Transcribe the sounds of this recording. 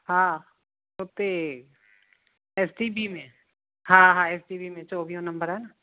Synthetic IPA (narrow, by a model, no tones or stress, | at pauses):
hãː | ʊt̪ːe | esʈibimẽ | ɦãɦãesʈiːbimẽt͡ʃɔːbijõnɐ̃mbəɾɦɛːna